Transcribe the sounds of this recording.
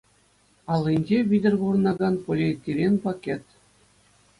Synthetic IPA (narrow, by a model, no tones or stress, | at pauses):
ɑlˠːinʲd͡ʑeʋʲidʲɘ̆rʲɡurɤnɑɡɑnpolʲit̪ʲːilʲenʲpɑkʲet̪